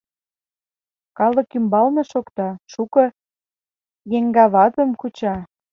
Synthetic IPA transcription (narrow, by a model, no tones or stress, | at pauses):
kɑlə̆kymbɑlnĕʃokt̪ɑʃukɤ̆ | jeŋɡɑβɑt̪ə̆mkut͡ɕɑ